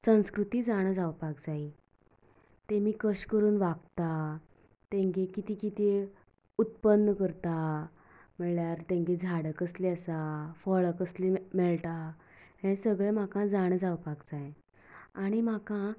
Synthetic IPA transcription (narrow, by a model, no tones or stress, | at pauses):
sə̃w̃skɾut̪iːd͡zaɽ̃d͡zawpaɡ̚d͡zai | t̪emiːkəɕkəɾuːnʋaɡt̪a | t̪ẽŋkekit̪ikit̪e | ut̪̚pənːəkəɾt̪a | m̤əɭjaɾt̪ẽŋɡed͡zʱaɽəkəsleəsafəɭəkəslimɛɭʈa | ɦẽsəɡɭẽm̤akãd͡zaɽ̃d͡zawpakd͡zaj̃ | aɽ̃im̤akã